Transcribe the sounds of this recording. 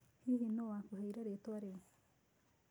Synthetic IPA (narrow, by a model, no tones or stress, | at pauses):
hihinoakuhaiɾaɾet̪oaɾe